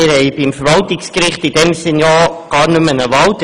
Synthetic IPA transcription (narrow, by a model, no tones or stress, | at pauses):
ɪɾhɛɪbɪmfəɾʋɑltɪkskɾɪχtid̥ɛmsɪnjɑːɡ̥ɑːɾnʉmənəʋɑlt